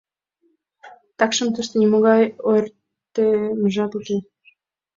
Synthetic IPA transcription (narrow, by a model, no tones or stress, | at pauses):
t̪ɑkʃə̆mt̪ə̆ʃt̪ɤ̆nʲimoɣɑjojr | t̪ːemə̆ʒɑt̪uke